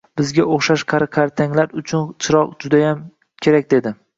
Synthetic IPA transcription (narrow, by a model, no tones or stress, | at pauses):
b̥ɪzɡʲaoχʃaʃqʰɑɾqʰaɾt̪ʰaŋlaɾʊt͡ʃʰʊnt͡ʃʰɪɾɒqd͡ʒʊd̪ajam | kʲʰe̞ɾak̚ʲd̪e̞d̪ɪ